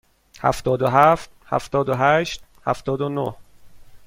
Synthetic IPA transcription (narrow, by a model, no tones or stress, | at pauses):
hæ̰ft̪ɒːd̪oɦæft̪̚hæ̰ft̪ɒːd̪oɦæʃt̪ | hæ̰ft̪ɒːd̪onoh